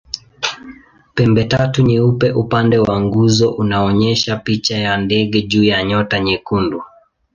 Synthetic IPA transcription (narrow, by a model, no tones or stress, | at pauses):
pɛmbɛtatuɲiupɛʔupandɛwaŋɡuzɔʔunaɔɲɛʃapit͡ʃajandɛɠɛʄuːjaɲɔtaɲɛkundu